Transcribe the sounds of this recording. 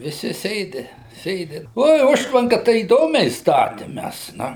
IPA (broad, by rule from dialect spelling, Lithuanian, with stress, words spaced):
ʋʲɪˈsʲɪ ˈsʲeːdʲɪ ˈsʲeːdʲɪ ˈoːɪ ˈʊʃtʋɐŋkɐ tɐɪ iːˈdoːmʲɛɪ ˈstɑːtʲɪm ˈmʲæs ˈnʊ